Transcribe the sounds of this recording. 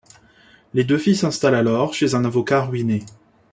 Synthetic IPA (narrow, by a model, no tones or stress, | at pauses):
led̪øfisɛ̃st̪alalɔʁʃezɛ̃navɔkaʁɥine